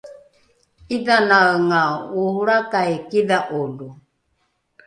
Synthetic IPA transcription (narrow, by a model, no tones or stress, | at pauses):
iðanaŋauhuɺakaɛkiðaʔolu